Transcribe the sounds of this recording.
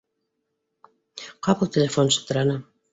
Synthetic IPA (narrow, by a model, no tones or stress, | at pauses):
qɑpɤlˠtʲelʲefonɕɤ̥̆t̪ɤɾɑnɤ